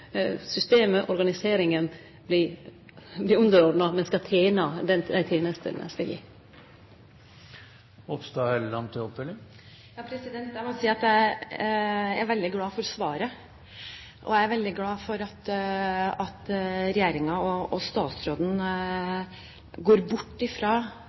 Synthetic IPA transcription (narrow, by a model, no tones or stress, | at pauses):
sʏst̪eːməʔɔɾɡɑnɪseːɾɪŋən | blɪ | blɪʉnd̪əɾɔɾd̪nɑmɛnskɑt̪ʰeːnɑd̪ɛd̪æɪt̪ʰeːnəst̪ʰə̰lnə̰skɑjḭː | ɔpst̪ɑhɛlːɑnt̪ʰɪɔpːɛlːə | jɑːpʰɾɛsɪd̪ɛnt̪jæmɔsiːɑt̪jæ | æɾʋɛld̪ɪɡlɑːfɔɾɔsʋɑːɾə | ʔɔ̰æɪæɾʋɛld̪ɪɡlɑːfɔɾɑt̪ | ɑt̪ɾɛjeːɾɪŋɑɔɔst̪ɑːt̪sɾoːd̪n̩ | ɡoːɾbʊʈːɪfɾɑː